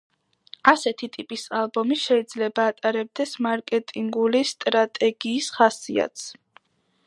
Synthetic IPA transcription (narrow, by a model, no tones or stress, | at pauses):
asɛt̪ʰit̪ʼipʼisalˠbɔmiʃɛid̪z̥lɛbaːt̪ʼaɾɛb̚d̪ɛsmaɾkʼɛt̪ʼiŋɡulist̪ʼɾat̪ʼɛɡiːsχasia̰t̪ʰs